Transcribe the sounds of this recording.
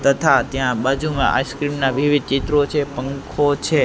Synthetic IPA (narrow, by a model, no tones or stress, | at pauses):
t̪ət̪ʰat̪jãbad͡ʒʱumã̰ʔa̰skɾimnaʋiʋid̪̚t͡ʃit̪ɾot͡ʃʰepəŋkʰot͡ʃʰe